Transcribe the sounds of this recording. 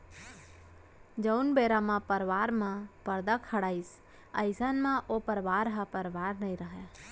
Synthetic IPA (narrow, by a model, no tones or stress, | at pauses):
d͡ʒəʊnbeːɾamãpəɾʋaːɾmãpəɾd̪akʰəɽaːis | əɪsanmãʔoːpəɾʋaːɾɦãpəɾʋaːɾnəĩɾəɦɛ